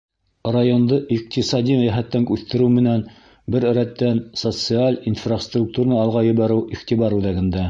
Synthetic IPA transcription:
rajo̞nd̪ɤʔiq̚t̪isɑd̪imæjæɦæt̪ːæŋʉθt̪ɘ̆ɾɘwmɘ̆næn | bɘɾɾæt̪ːænsot̪sɨalʲinfrast̪ruk̚t̪uɾnɑɑlˠʁɑjɤ̆βɑɾɘwiχt̪iβɑɾʉðæɡɘ̆nd̪æ

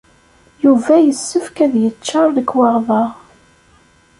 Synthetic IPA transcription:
juvæjəsːəfkæðjət͡ʃːɑɾˤðəkːwɑʁðɑʁ

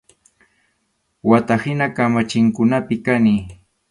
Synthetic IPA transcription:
wat̪ahɪnakamat͡ʃɪŋkʊnapɪkani

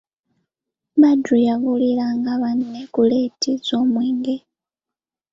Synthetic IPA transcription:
madujaβulilaŋɡaβanːekuletʰizoːmwiːŋɡe

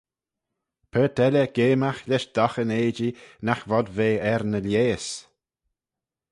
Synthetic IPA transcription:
pʰəːt̪ʰɛləɡ̥eːmaxlʲɪʃd̪̥ɔxəneːd͡ʒinaxvɔdveːɛɾnəljeːs

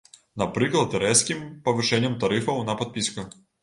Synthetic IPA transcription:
nɐpɾɨklˠɐt̪ɾɛskʲimpɐvɨʂɛnʲɪjəmt̪ɐɾɨfɐwnɐpɐt̪̚pʲisʲkʊ

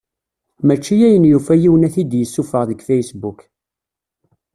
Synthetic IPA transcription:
mæt͡ʃːijæjənjufæjiwənæθid̪jəsːufəʁðəɡfæjsbuk

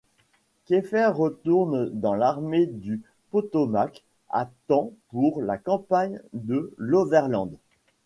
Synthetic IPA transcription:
kʲefɛʁːət̪uʁnd̪ɑ̃laʁmed̪y | pɔt̪ɔmak | a̰t̪ɑ̃puʁlakɑ̃paɲd̪əlovɛʁlɑ̃d̪

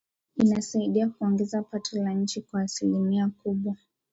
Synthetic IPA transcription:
inasaiɗiakuɔŋɡɛzapatʰɔlaɲ̩t͡ʃikwaːsilimiakuɓwa

